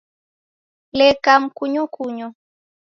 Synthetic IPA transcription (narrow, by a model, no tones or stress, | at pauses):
lɛkam̩kuɲɔkuɲɔ